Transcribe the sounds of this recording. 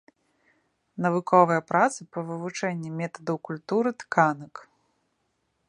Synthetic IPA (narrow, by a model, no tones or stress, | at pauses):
nɐvɨkʰɔvɨjɐpɾat̪sɨpɐvɨvut͡ʂɛnʲːimʲɛt̪ɐd̪ɐwkulʲt̪uɾɨt̪kanɐk